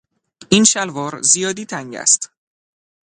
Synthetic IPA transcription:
ʔinʃælvɒːɾzijɒːd̪iːt̪ʰæŋɟæ̰st̪

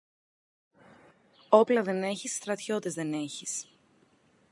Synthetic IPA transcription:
o̞plɐðe̞ne̞çisːt̪ɾɐt̪ço̞t̪ezðe̞ne̞çis

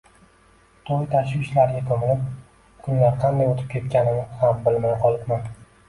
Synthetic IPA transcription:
t̪ʰojt̪ʰaʃɪʃlaɾɡʲak̪ʰomɪlɪp | kʰʊnlaɾqʰɑnd̪ajot̪ʰɪ̥p̚kʲʰe̞t̪̚kʲanɪnɪhambɪlmajqʰɒlˠɪpman

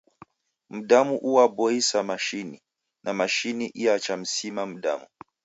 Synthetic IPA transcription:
m̩ɗamuʔuwabɔisamaʃini | nʔamaʃiniʔiat͡ʃam̩simam̩ɗa̰mu

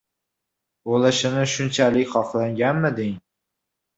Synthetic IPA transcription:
olɪʃɪnɪʃʊnt͡ʃʰalɪkʲχɒqlˠaŋɡʲanmɪd̪eŋ

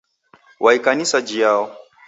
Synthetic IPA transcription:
wʔaikanisad͡ʒijaːwɔ

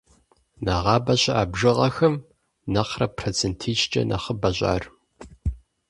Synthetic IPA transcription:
nɐʁɑːbɐɕɐʔaːbʒɨʁɐxɐm | nɐqrɐpʰrɐt͡sʰɨntʰiːt͡ʃt͡ʃʼɐ̰nʔɐ̰χəbɐɕʼa̰ːr

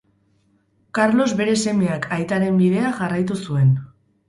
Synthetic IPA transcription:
kaɾlo̞zβe̞ɾe̞se̞me̞akʰajt̪aɾe̞mbiðe̞aʝarajt̪usue̞n

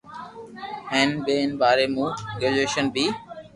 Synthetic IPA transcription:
ɦeːnɓeːnɓaːɾeːmũːɡeːleːʃənbʱiː

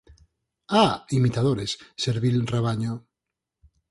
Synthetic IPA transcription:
aimit̪að̞oɾesːeɾβilreβ̞aɲo

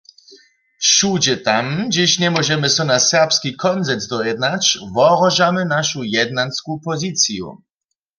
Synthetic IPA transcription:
ʃud͡ʑɛt̪amd͡ʑiɕɲɛmɔʑɛmɘsɔnasɛʁpskʲikʰɔnzɛnzd̪ɔjɛd̪nat͡ɕvɔʁɔʒamɘnaʃujɛd̪̚nanskupɔzit̪sjṵ

